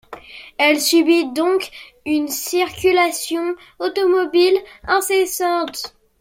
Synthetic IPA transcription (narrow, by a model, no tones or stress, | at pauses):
ɛlsybid̪ɔ̃k | ynsiʁkʲylasjɔ̃ | ot̪ɔmɔbilɛ̃sesɑ̃t̪